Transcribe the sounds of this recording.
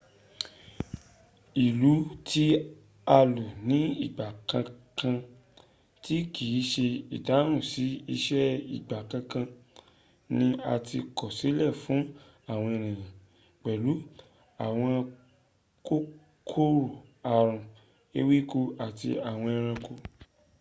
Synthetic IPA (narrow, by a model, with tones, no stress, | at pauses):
i˨lu˨˦tʰi˦ | a˧lu˨nĩ˨˦i˦˨ɡ͡ba˨kã˧kã˧ | ti˦ki˨˦ʃe˧i˨da˨˦ɾ̃ũ˦˨si˨˦i˧ʃɛ˦i˦˨ɡ͡ba˨kã˧kã˧ | nĩ˧˦a˧ti˧kɔ˨si˨˦lɛ˦˨fũ˨˦ | a˦˨w̃ɔ̃˧e˧ɾ̃ĩ˨j̃ã˨ | k͡pɛ˨lu˨˦ | a˨w̃ɔ̃˧ | ko˦ | kʰo˦ɾo˦˨a˨ɾ̃ũ˨ | e˦wi˦ko˧a˨ti˧a˨w̃ɔ̃˧ɛ˧ɾ̃ã˧ko˧